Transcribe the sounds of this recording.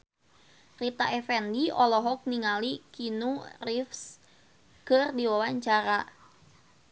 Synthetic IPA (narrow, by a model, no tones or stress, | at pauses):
rit̪aʔɛfɛndiʔɔlɔɦɔk̚niŋalikinurifs | kərdiwawaɲt͡ʃaɾa